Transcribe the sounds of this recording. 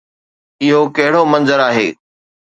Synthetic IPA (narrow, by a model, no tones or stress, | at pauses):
ɪɦokɐɦɪɽomɐ̃nzəɾaːɦḛː